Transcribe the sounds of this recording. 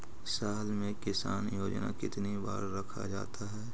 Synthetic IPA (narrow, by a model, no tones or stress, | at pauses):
saːɦlmẽkɪsaːnjoːd͡ʒna̰kɪt̪niba̰ːɾːɐkʰa̰d͡ʒa̰ːt̪aɦɛː